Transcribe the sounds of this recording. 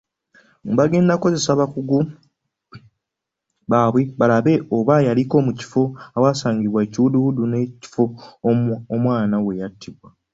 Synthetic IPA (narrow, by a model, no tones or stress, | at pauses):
ŋβaɡe̞ːndako̞ze̞saβakuɡu | βaːβweβalaβe̞ʔoβajaliko̞ːmuci̥fo̞awaːsaːɲɟiβwaeciβuduwuduneci̥fo̞ | omwaːnawe̞jatʰːiβwa